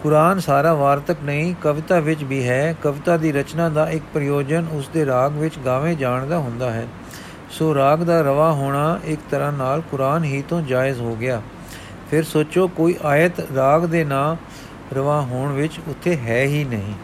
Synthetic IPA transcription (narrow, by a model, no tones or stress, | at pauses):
kʊɾaːnsaːɾaːʋaːɾt̪əknəɦĩːkəʋɪt̪aːʋɪt͡ʃbiːɦɛːkəʋɪt̪aːd̪iːɾət͡ʃnãːd̪aːʔɪk̚pɾɪjoːd͡ʒənʊsd̪eːɾaːɡʋɪt͡ʃɡaːʋẽːd͡ʒaːɳd̪aːɦʊnd̪aːɦɛ̰ː | soːɾaːɡd̪aːɾəʋaːɦoːɳaːʔɪkt̪əɾãːnaːlkʊɾaːnɦiːt̪õːd͡ʒaːɪzɦoːɡɪjaː | pʰɪɾsoːt͡ʃoːkoːiːʔaːjət̪ɾaːɡd̪eːnaː | ɾəʋaːɦoːɳʋɪt͡ʃʊt̪ʰːeːɦɛːɦiːnəɦĩː